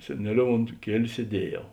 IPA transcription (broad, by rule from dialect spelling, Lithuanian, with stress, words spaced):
sʲɛˈnʲæːˌlʲoːʊ oːnt ˈkʲiɛlʲʊ sʲiɛˈdʲiɛˌjɛʊ